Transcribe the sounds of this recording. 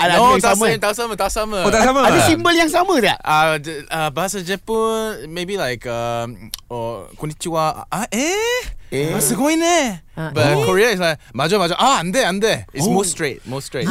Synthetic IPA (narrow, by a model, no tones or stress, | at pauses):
aot̪aməãnt̪ausamət̪ausaməət̪asaməaəsimbəljaŋsamədɛʔaəbaɦasad͡ʒɛpəmebilaɪkʌmɔkɔnit͡ʃua̰ʔaʔɛ | aasaɡoĩnɛbakɔɹiais̬laɪk̚mad͡ʒɔbad͡ʒɔʔaãmd̪ɛãmd̪ɛismostɹet̚mostɹet